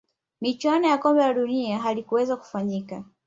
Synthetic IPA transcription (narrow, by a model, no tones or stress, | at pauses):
mit͡ʃwanɔjakɔmbɛlaɗuniaɦalikuwɛzaku̥faɲika